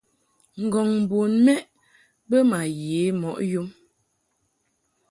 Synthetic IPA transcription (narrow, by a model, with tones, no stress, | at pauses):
ŋ̩˨ɡɔ˨ŋm̩˨bu˨nmɛ˦ʔ | bə˦ma˨je˨˦mɔ˨ʔju˦m